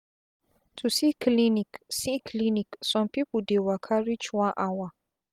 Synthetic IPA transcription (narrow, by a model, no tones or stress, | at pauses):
tʰusikliniksikʰliniksɔ̃mpipudewakʰaɾit͡ʃwãʔawa